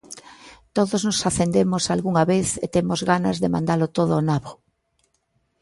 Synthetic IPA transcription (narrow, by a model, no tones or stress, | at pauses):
t̪oðoznosaθend̪emosalɣuŋaβeθḛt̪emozɣanɐzðemã̰nd̪alot̪oð̞oːnaβo